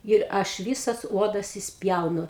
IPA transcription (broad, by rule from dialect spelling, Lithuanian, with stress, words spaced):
ɪr ˈɐʃ ˈʋʲiːsɐs ˈuɔdɐs ɪʃʲsʲˈpʲjɛʊnʊ